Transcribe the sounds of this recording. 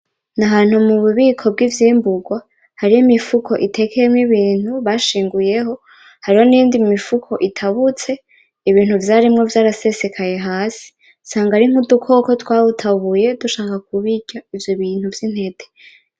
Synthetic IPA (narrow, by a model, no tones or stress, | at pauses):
naɦaːn̥humuβuβiːkʰo̞b̚ɡivjiːmbuɡwa | haɾijimifukʰo̞̰ʔitʰe̞kʰejemŋiβiːn̥uβaʃiːŋɡuje̞ɦo̞ | haɾiho̞nijiːndimifukʰo̞ʔitʰaβut͡se̞ | iβiːn̥huvjaɾimŋo̞vjaːɾase̞se̞kʰaje̞ɦaːsi̥ | saːŋɡaɾiŋ̥udukʰo̞ko̞twaːβutʰaβuje̞duʃaːkak̚uβiɟaivjoβiːn̥huvjin̥he̞d̥e